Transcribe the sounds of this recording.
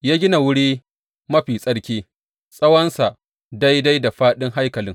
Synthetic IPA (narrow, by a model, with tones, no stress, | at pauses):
jaː˦ɡʲɪ˦na˨wʊ˦ɽiː˦ | mɐ˦ɸiː˨sʼɐ˦ɽkʲeː˦ | sʼɐ˦wɐ˦nsa˨ | da˦jda˦jda˨ɸaː˦ɗɪ˦ŋɦa˦jkɐ˨lɪ˦ŋ